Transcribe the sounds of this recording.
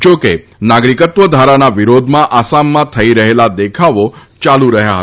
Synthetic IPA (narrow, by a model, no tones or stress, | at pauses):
d͡ʒoke | naɡɾikət̪ʋəd̪ʱaɾanaʋiɾod̪ʱmãʔasamːãt̪ʰəiɾəɦelad̪ekʰaʋo | t͡ʃaluɾəɦja̰ɦ